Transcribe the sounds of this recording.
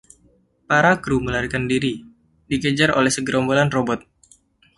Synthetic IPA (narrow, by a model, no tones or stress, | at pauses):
paɾakɾuməlaɾikandiɾi | diɡəd͡ʒarolɛhsəɡəɾɔmbolanrobɔt̪̚